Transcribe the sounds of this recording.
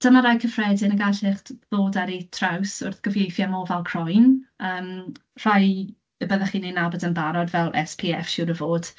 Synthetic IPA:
d̥əmaɾajkʰəfrɛdɪnəɡaɬɪχtðoːdaɾitʰrawsʊrθɡ̥əvjejθjamɔːvɛlˠkʰrɔjnəːmr̥aj | əbəðaχiːnenabədənbaɾɔdvɛlˠʔɛ̰spʰiɛfʃʊɾəvoːd̥

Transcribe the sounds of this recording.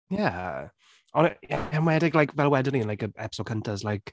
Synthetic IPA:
ja | ʔɔnjaamwɛdɪɡlaɪkvɛlˠwɛdəninlaɪkəɛ̰pɪsɔkʰəntəzlaɪk

